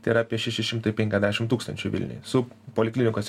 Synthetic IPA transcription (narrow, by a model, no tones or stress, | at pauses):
t̪ʲɐɾɐɑpʲiɛʃʲæʃʲɪʃʲɪmt̪ɐɪpʲɛŋʲkʲɛzd̪ʲæʃʲɪmt̪uːkst̪ɐnʲt͡ʃʲʊʋʲɪ̰lʲnʲɪ̰jsʊpoːlʲɪklʲɪnʲɪkoːsʲ